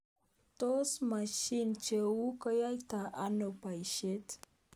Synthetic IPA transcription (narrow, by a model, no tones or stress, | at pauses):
t̪osmaʃint͡ʃeukəjajt̪aʔanopajɕet̪